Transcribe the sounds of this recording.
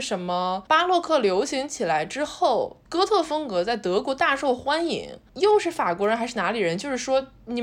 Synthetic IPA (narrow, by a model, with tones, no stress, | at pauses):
ʂə˧˥nmə˧pa˥lwɔ˥˧kʰɤ˥˩ljo˧˥ʊɕi˧˥ŋt͡ɕʰi˨˩la˧˥ɪʈ͡ʂɻ̩˥xo˥˩ʊkɤ˥t̪ʰɤ˥˩fɤ˥ŋkɤ˧˥t͡sa˥˩ɪt̪ɤ˧˥kwɔ˧˥t̪a˥˧ʂo˥˩ʊxwa˥nḭ˧˥ŋjo˥˧ʊʂɻ̩˥˩fa˨˩kwɔ˧˥ɻə˧˥xa˧ɪʂɻ̩˥˩na˧˥li˨˩ɻə˧˥nt͡ɕjo˥˧ʊʂɻ̩˥˩ʂwɔ˥ | ni˨˩